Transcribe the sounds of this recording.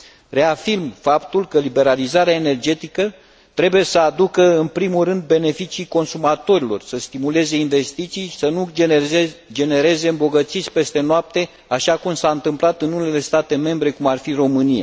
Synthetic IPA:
re̞afirmfapt̪ulkəlibe̞ɾalizaɾeaene̞rd͡ʒe̞t̪ikə | t̪ɾe̞buje̞səad̪ukəɨnpɾimulrɨnd̪̚be̞ne̞fit͡ʃiːko̞nsumat̪o̞ɾilo̞̰rsəst̪imule̞ze̞inve̞st̪it̪sijsənu | d͡ʒe̞ne̞ɾe̞ze̞ɨmbo̞ɡət̪sisʲpe̞st̪e̞noap̚t̪e̞ | aʃakumsaɨnt̪ɨmplat̪ɨnune̞le̞st̪at̪e̞me̞mbɾe̞kumarfiro̞mɨnija̰

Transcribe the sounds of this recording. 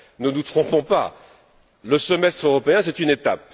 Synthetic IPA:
nənut̪χɔ̃pɔ̃pa̰ | ləsəmɛst̪χøʁɔpeɛ̃sɛt̪ynet̪ap̚

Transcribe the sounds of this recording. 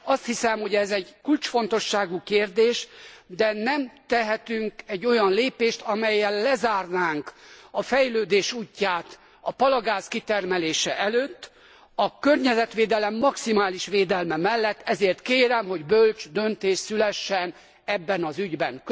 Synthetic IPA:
ɒst̪hisɛmho̞ɟɛzɛɟkult͡ʃfo̞nt̪o̞ʃːaːɡukeːrd̪eːʃd̪ɛnɛmt̪ɛɦɛt̪yŋkɛɟːo̞jɒnleːpeːʃt̪ʰɒmɛjːɛlːɛzaːrnaːŋkɒfɛjløːd̪eːʃuːcːaːt̪ | ɒpɒlɒɡaːzkit̪ɛrmɛleːʃɛʔɛløːt̪ː | ɒkørɲɛzɛt̪ʋeːd̪ɛlɛmːɒksimaːliʃʋeːd̪ɛlmɛmɛlːɛt̪ːɛzeːrt̪keːɾɛmɦo̞ɟbølt͡ʃd̪ø̞nt̪eːʃsylɛʃːɛn | ɛbːɛnɒzyɟbɛŋk

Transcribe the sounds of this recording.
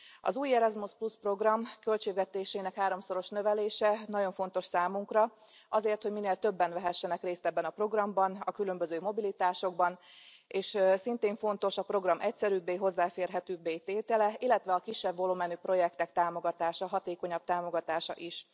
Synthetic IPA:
ɒ̰zuːjɛɾɒzmuspluspro̞ɡrɒmkø̞lt͡ʃeːɡʋɛt̪eːʃeːnɛkhaːɾo̞mso̞ɾo̞ʃnø̞vɛleːʃɛnɒɟo̞ɱfo̞n̪t̪o̞ʃsaːmuŋkrɒ | ɒzeːrt̪hoɟmineːlt̪ø̞bːɛnvɛɦɛʃːɛnɛkreːst̪ɛbːɛnɒpro̞ɡrɒmbɒnɒkylø̞mbø̞zøːmo̞bilit̪aːʃo̞ɡ̚bɒneːʃsint̪eːɱfo̞nt̪o̞ʃɒpro̞ɡrɒmʔɛcsɛɾybːeːɦo̞zːaːfeːrɦɛt̪yːbeːjt̪eːt̪ɛlɛilːɛt̪ʋɛɒkiʃːɛbvoloːmɛnyːpro̞jɛkt̪ɛkt̪aːmo̞ɡɒt̪aːʃɒɦɒt̪eːko̞ɲɒb̚t̪aːmo̞ɡɒt̪aːʃɒ̰ʔiʃ

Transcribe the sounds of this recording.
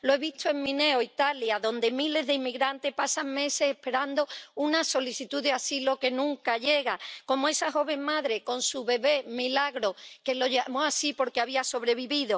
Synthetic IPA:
lo̞e̞βit̪ʰoe̞ŋmĩne̞oit̪aljaðo̞nd̪e̞mile̞zðeimːiɣɾant̪e̞hpasaŋme̞se̞sehpe̞ɾand̪ounaso̞liθit̪uðeasilo̞ke̞nũŋkaʝe̞ɣako̞moe̞saxo̞β̞e̞ŋmaðɾe̞ko̞nsuβe̞βe̞milaɣɾo̞ke̞lo̞ʝamosasipo̞ɾke̞aβiaso̞βɾe̞βiβiðo̞

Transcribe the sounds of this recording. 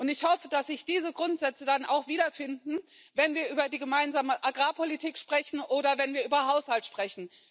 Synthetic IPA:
ʔʊntɪçhɔfəd̥asz̥ɪçd̥iːzəɡʁʊntz̥ɛt͡sədana̰ʊxv̥iːdɐfɪndn̩vɛnviːɐʔyːbɐdiːɡəmaɪnzaːməʔaɡʁaːpʰolitʰiːkʃpʁ̥ɛçn̩ʔoːɾɐvɛnviːɐʔyːbɐɦaʊshaltʃpʁ̥ɛçn̩

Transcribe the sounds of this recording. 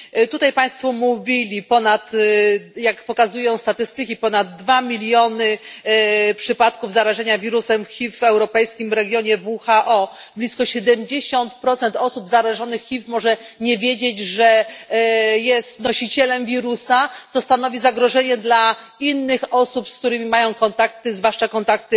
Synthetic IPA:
t̪ut̪ajpaj̃st̪fɔmuvʲilʲipɔnat̪ | jakpɔkazujɔ̃w̃st̪at̪ɘst̪ɘkʲipɔnad̪̚ːvamʲilʲjɔnɘ | pʂɘpat̪kuvzaɾaʐɛɲavʲiɾusɛmxʲivːɛwɾɔpɛjskʲimɾɛɡʲjɔɲɛvuxaʔɔ | blʲiskɔɕɛd̪ɛmd͡ʑeɕɔnt̪pɾɔt̪sɛnt̪ɔsubzaɾaʐɔnɘxːʲifmɔʐɛ | ɲɛvʲjed͡ʑed͡ʑʐɛ | jɛst̪nɔɕit͡ɕɛlɛmvʲiɾusat̪sɔst̪anɔvʲizaɡɾɔʐɛɲɛd̪la | inːɘxɔsupsk̚t̪uɾɘmʲimajɔ̃w̃kɔnt̪ak̚t̪ɘzvwaʂt͡ʂakɔnt̪ak̚t̪ɘ

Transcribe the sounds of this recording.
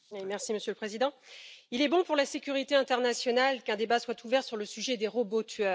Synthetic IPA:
wimɛʁsiməsjøləpχezid̪ɑ̃ilɛbɔ̃puʁlasekʲyʁit̪eɛ̃t̪ɛʁnasjɔnalkɛ̃d̪ebaswat̪ʰuvɛʁsyʁləsyʒɛd̪eʁɔbot̪ʰɥœ

